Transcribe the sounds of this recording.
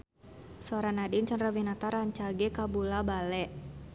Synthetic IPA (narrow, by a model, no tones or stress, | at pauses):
sɔɾanadiɲt͡ʃənrabinat̪aɾaɲt͡ʃaɡɛkabulabalɛʔ